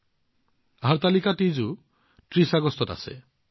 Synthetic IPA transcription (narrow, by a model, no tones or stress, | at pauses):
aɦaɾt̪alikaʈid͡ʒu | ʈɾisaɡɔst̪ʰɔta̰sḛ